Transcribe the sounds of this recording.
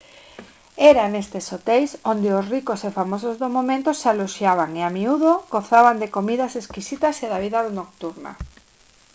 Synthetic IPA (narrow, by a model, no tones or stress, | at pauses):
ɛɾanest̪esot̪ejsond̪eosrikosefamosozðomomẽnt̪osaloʃjaβ̞aŋeamiuðoɡoθaβand̪ekomiðaseskisit̪aseðaβiðaðonok̚t̪uɾna̰